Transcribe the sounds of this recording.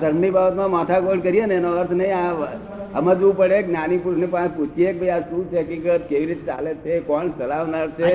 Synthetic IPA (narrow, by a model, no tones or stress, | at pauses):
səɾmnibabət̪mãmaʈ̪ʰakoɳkəɾijenenoəɾt̪ʰnəɦĩa | ə̰mãd͡ʒʋũpəɽeknanipusnepãput͡ʃʰiek̚bʱəiaʃũt͡ʃʰekikət̪̚keʋiɾit̪et͡ʃa̰let͡ʃʰekɔɳsəlaʋnaɾt͡ʃʰe